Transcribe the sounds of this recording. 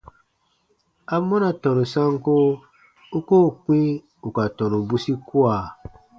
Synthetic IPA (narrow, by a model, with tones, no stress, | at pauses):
a˦mɔ̃˦na˨tɔ̃˨nũ˨sã˦ŋ˦ko˦ | u˦koː˦˨k͡pĩ˦ | u˨ka˨tɔ̃˨nũ˨bu˦si˦ku˦a˨